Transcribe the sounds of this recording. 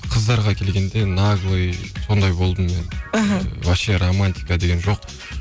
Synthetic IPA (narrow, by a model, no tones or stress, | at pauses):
qʰəzd̪ɑɾʁɑkʲʰe̞lɡʲe̞nd̪e̞naɡlˠɨjso̞nd̪ɑjbo̞lˠd̪əmme̞n | wɑʃeɾomanʲt̪ʲi̥kad̪e̞ɡʲe̞nʒo̞q̚